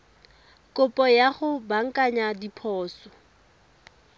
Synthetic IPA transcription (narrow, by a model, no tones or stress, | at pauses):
kʼʊpʼɔjaχʊbaŋ̩kʼaɲadipʰɔːsɔ